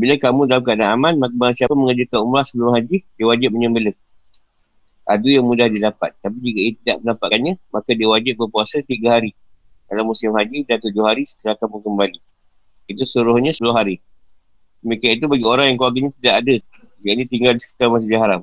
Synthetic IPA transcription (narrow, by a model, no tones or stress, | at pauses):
bilakamũdalamkəadaamanmabaɾaŋsiapamə̃ŋəd͡ʒəkanumlasəluɾʊhɦad͡ʒidiəwad͡ʒɪp̚məɲəmbələk̚ | ʔa̰dujaŋmũdahdidapa̰t̪̚t̪ːapid͡ʒukaijət̪idaʔməndapaʔkanɲə̃makadiəwad͡ʒɪp̚bərpuasat̪iɡaɦaɾi | dalamusɪmɦad͡ʒidant̪ud͡ʒʊhaɾisə̥t̪əɾakamũkəmbali | it̪usəluɾʊhɲə̃səpulʊɦaɾi | dəmikianit̪̬ubaɡioɾaŋjaŋkluaɡaɲãt̪idaʔadə | jaʔnĩt̪iŋɡaldisə̥ki̥t̪armas̬əd͡ʒaɦaɾam